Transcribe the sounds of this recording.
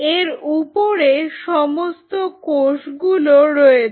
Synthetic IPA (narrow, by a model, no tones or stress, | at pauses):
eɾupoɾeʃɔmost̪okoʃɡuloɾɔe